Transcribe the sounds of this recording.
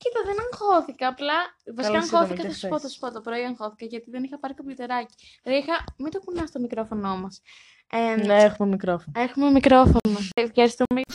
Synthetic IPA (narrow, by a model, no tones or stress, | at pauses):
cit̪ɐðenɐŋxo̞θikɐːplɐvɐsikɐɐŋxo̞θikɐsθɐssupoθɐsu̥pot̪opɾo̞iɐŋxo̞θi̥kɐʝɐt̪iðenixɐpɐɾit̪ɐplot̪e̞ɾɐci̥ | ixɐmind̪okunɐst̪omikɾo̞fo̞no̞mɐs | enexumemikɾofonexumemikɾo̞fonofçɐɾist̪ume